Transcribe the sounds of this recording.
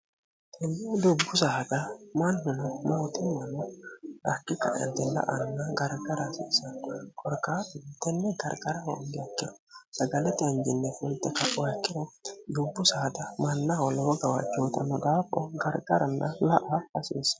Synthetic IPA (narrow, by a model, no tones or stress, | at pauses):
t̪ɛnːid̪ʊbːʊsɐhɐd̪ɐmɐnhʊnɐmoːt̪ɪmɐnɔɐkːɪkɐ̰ʔɐ̰nt̪ɛlɐ̰ʔɐnnːɐɡɐɾɡɐɾasḭːsɐkʼɔɾkaːtɪt̪ːɛnːɛɡɐɾɡɐɾɐhɐ̰nɡ̪ɪjɐkːɪd̪ɔ̥ | sɐɡɐlɛt̪ɪɐɲd͡ʒɪnːɛfʊlt̪ːɛkɐpʼːɔjɐkːɪd̪ɔd̪ʊbːʊsɐhɐd̪ɐmɐnːɐwɔlɔwɐɡɐwat͡ʃːoːt̪ʼɐnːɔd̪aːpʼːɔɡɐɾɡʼɐɾɐnːɐlɐʔaːɐsiːsɐ̥